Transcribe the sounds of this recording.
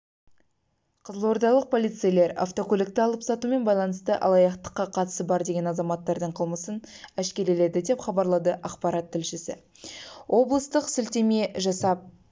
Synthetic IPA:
qʰəzəlˠwo̞ɾd̪ɑlˠəq̚pʰo̞lˠijt̪sɨjle̞ɾɑ̰ft̪o̞kʲʰɵlʲɪk̚t̪ɪɑlˠəpsɑt̪ume̞nbɑjlˠɑnəst̪əʔɑ̰lˠɑjɑqt̪ə̥qːɑqʰɑt̪ə̥səbɑɾd̪e̞ɡʲe̞nɑzɑmɑt̪ːɑɾd̪əɴqʰəlˠməsənæʃkʲe̞ɾele̞d̪ɪd̪e̞pχɑbɑɾlˠɑd̪əʔɑqpɑɾɑt̪ʰːɪlʃɪsɪ̰ | wʔo̞blˠəst̪əqsɪlt̪e̞me̞ʒɑsɑp̚

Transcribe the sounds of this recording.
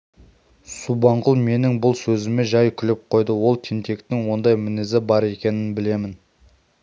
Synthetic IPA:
subɑɴqəlˠme̞nɪŋbʊlˠsɵzɪme̞ʒɑjkʲʰʏlɪp̚qʰo̞jd̪əwo̞lˠt̪ʰent̪ʰe̞kt̪ɪŋwo̞nd̪ɑjmɪnɪzɪbɑɾe̞kʲe̞nɪnbɪle̞mɪn

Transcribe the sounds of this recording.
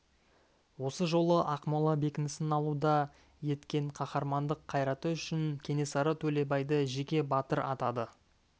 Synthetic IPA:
wo̞səʒo̞lˠəʔɑqmɑlˠɑbe̞kʲɪnɪsɪnɑlˠud̪ɑ | je̞t̪kʲe̞ɴqʰɑχɑɾmɑnd̪əqʰːɑjɾɑt̪əʏʃɪŋkʲʰe̞ne̞sɑɾət̪ʰɵle̞bɑjd̪əʒe̞kʲe̞bɑt̪əɾʔɑt̪ɑd̪ə

